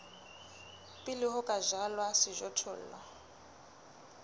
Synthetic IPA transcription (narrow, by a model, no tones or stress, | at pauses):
pʼɪlɪɦʊkʼaʒalwasɪʒɔtʰʊ̰ːl̩ːla